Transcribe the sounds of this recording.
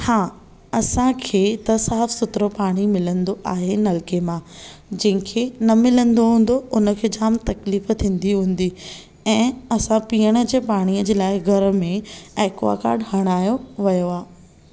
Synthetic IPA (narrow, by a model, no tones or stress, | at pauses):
haː | ɐsãkʰeːt̪ɐsaːfsʊt̪ɾopaːɽ̃imɪlə̃nd̪oʔaːɦenɐlkemãd͡ʑɐ̃ɦɪ̃kʰenɐmɪlə̃nd̪oɦũːn̆d̪oʊnə̆kʰeːd͡ʑaːmt̪ɐkliːft̪ʰĩːn̆d̪iɦũːn̆d̪i | ɛ̃ːɐsãpiːəɽ̃ə̆d͡ʑeːpaːɽ̃iəd͡ʑeːlaːɪɡʱɐɾə̆mẽɛːkʋa̰ːka̰ːɾɖɦɐɽ̃aːjoʋɐjoaː